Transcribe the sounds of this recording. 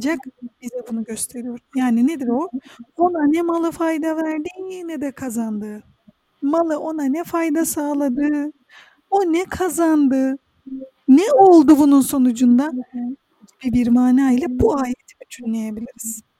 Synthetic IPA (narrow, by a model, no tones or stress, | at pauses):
d͡ʒakb̥izɛbunuɟø̞st̪ʰe̞ɾijo̞ɾjaːnined̪iɾoo̞nanɛmalˠɯfajd̪avæɾd̪injinɛd̪ɛkʰazand̪ɯː | malˠɯʔo̞nanɛfajd̪asaːlˠad̪ɯː | onɛkʰazand̪ɯ | nɛo̞lˠd̪ubununso̞nud͡ʒund̪a | ɟibibiɾmaːnaːilʲɛbuaːjet̪ʰi̥byt͡ʃʰynlʲejebilʲiɾiz̥